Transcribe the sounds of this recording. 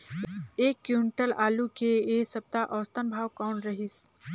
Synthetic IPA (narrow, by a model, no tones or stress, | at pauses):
eːkːjuɳʈəlaːlukeeːsɐb̚t̪aʔɔːst̪ənbʱaːwkɔːnɾɐɦɪs